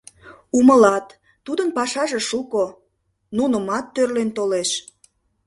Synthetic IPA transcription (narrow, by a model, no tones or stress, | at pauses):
uməlɑt̪ː | ud̪ənpɑʃɑʒeʃuko | nunəmɑt̪ːørlent̪oleʃ